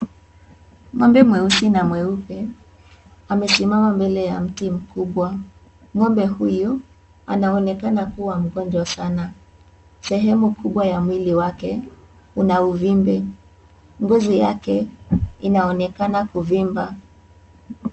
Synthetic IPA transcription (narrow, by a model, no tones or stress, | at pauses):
ŋɔmbɛmwɛusinamwɛupɛ | amɛsimamambɛlɛjam̩tim̩kuɓwa | ŋɔmbɛhuju | a̰naɔnɛkanakuwam̩ɡɔnd͡ʒwasana | sɛɦɛmukuɓwajamwiliwakɛ | unauvimbɛ | ŋɡuzijakɛinaɔnɛkanakuvimba